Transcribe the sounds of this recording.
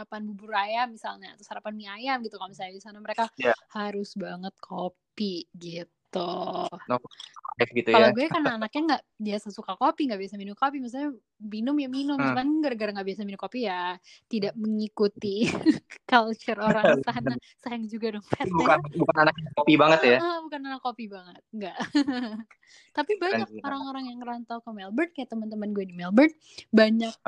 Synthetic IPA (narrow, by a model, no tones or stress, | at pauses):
apanbubuɾajamisalɲaːt̪asaɾapanmiajamɡit̪ukamisajadisanaməɾekahaɾʊsbaŋət̪̚kʰopiɡit̪unɔtɛfɡit̪ualaɡuɛkanaːnak̚ɲaŋɡaʔbiasasukakopiŋɡaʔbiasaminʊmkopimis̬alɲa | minʊmjaminʊmaɲɡərɡəɾaŋɡaʔbiasaminʊmkopijat̪idaʔ̚məŋikut̪i | kalt͡ʃʊroɾaŋsana | sajaŋd͡ʒuɡadʊŋfɛt̪bukabukananak̚akopibaŋət̪jaəbukananakːopibaŋət̪̚ŋɡaʔ | t̪apibaɲak̚oɾaŋoɾaŋjaŋəɾant̪awkəmɛlbərt̪̚kajat̪ːəmant̪əmanɡuɛdimɛlbərt̪̚ | baɲak̚